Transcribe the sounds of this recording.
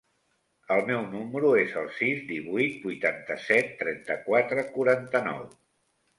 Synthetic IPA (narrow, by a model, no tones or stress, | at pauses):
əlˠmɛwnuməɾuezəlˠsizd̪iβuit̪̚bujt̪ant̪əsɛt̪ːɾɛnt̪əkwat̪ɾəkuɾant̪ənɔ̰w